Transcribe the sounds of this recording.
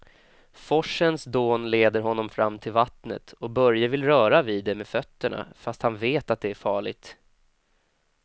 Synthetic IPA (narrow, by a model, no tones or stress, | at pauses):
fɔʂːənsd̪oːnleːd̪əɾɦɔnːɔmfɾamːt̪ʰɪlvat̪nə̰t̪ɔbœɾjavɪlɾœːɾavid̪ːɛmeːdfœt̪ːəɳa̰fast̪hanveːt̪at̪̚d̪ɛæɾfɑːɭɪɡ̚t̪